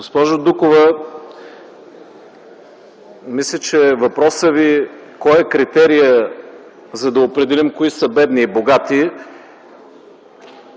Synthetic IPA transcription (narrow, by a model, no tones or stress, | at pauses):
ɡospɔʒod̪ukovə | mislʲət͡ʃɛvɐpɾɔsəvikɔjɛkɾit̪ɛɾijə | zɐd̪ɐopɾɛd̪ɛlimkoisəbɛd̪niːboɡat̪i